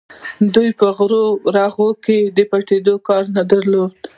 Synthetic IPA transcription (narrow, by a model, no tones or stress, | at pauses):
d̪ujpəɣɾoɾaɣoked̪əpaʈed̪okɑɾnad̪aɾlod̪̚